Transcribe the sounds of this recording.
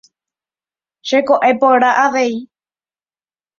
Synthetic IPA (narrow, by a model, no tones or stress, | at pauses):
ʃeko̞ʔepoɾaʔaʋe̞i